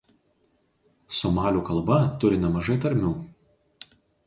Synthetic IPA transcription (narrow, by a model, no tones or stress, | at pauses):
sɔmɑːlʲuːkɐlˠbɐt̪ʊɾʲɪnʲɛmɐʒɐɪt̪ɐɾʲmʲuː